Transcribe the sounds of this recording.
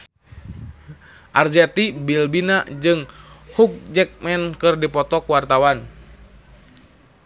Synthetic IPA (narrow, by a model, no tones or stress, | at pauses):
ʔard͡ʒɛt̪ibilbinad͡ʒɨŋhuk̚d͡ʒɛk̚mɛnkɨrdipɔt̪ɔkuwart̪awan